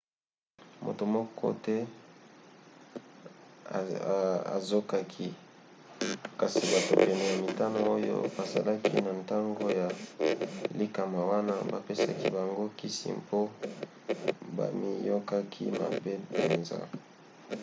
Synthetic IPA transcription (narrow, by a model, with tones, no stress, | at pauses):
mo̰˨to˨mɔ˦kʰɔ̰˦tɛ˦˨ | a̰˨zo˦ka˦kʰi˦ | ka˨si˨ba˨to˨pɛ˨nɛ˨ja˨mi˨ta˦no˨o˦jo̰˦ba˨sa˨la˦kʰi˦na˨nta˦ŋɡo˦ja˨ | li˦ka˨ma˨wa˦na˦ba˨pe˦sa̰˦ki˦ba˨ŋɡo˦ki˦sḭ˨mpo˦ | ba̰˨mi˦jo˦ka˦kʰḭ˦ma̰˨be˦pe˨nza̰˦